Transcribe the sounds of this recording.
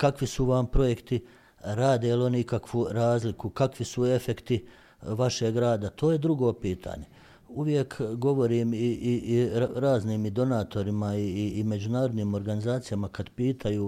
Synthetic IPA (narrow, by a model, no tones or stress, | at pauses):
kakʋisuʋampɾo̞je̞kt̪i | ɾaːd̪elo̞niikakʋuɾaːzlikukakʋisue̞fe̞kt̪i | ʋaʃeɡɾaːd̪at̪ʰo̞ːje̞d̪ɾuɡo̞ːpiːt̪ʰa̰ːɲe̞ | uʋje̞kɡo̞ʋo̞ɾiːmiiiɾaːzniːmid̪o̞naːt̪o̞ɾimaiːme̞d͡ʒunaːɾo̞d̪niːmo̞ɾɡanizaːt̪sijamakad̪piːt̪ʰajuː